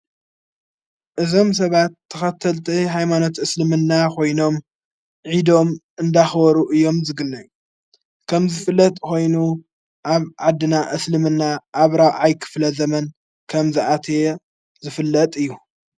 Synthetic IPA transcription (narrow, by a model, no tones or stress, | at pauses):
ʔɨzo̞ms̬ɐβat̪ʰːɐxɐt̪ʰːɐlt̪ʰiɦajmano̞t̪ɨslɨmɨnːakʰo̞jno̞m | ʕid̪o̞mʔɨnd̪axbɔɾuʔɨjːo̞mzɨɡɨnːɐju | kʰɐmzɨfɨlːɐt̪ʼkʰo̞jnu | ʔaβʕad̪ːɨnaʔɨslɨmɨnːaʔaβɾawʕajkʰɨ̥flɐzɐmɐn | kʰɐmzɨʔat̪ʰe | zɨfɨlːɐt̪ʼɨjːu